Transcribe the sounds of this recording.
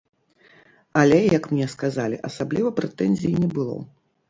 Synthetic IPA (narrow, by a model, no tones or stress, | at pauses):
alʲɛjɐkmnʲɛskazalʲiʔɐsablʲivɐpɾɛt̪ɛnzʲiinʲɛbɨlˠɔ̰